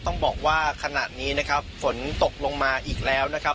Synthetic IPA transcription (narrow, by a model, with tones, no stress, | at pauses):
t̪ɔ˥˩ŋbɔː˨˩k̚waː˥˩kʰa˧na̰ː˨˩t̪̚niː˦˥na˦˥kʰa˦˥pfo˩˦nt̪o˨˩k̚lo˧ŋmaː˧ʔiː˨˩k̚lɛː˦˥wna˦˥kʰa˦˥